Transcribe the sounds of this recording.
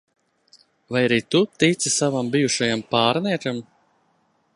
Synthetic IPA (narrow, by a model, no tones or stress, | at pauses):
vajaɾiːt̪ut̪it̪sʲisavambijuʃajampaːɾnɛɛɾam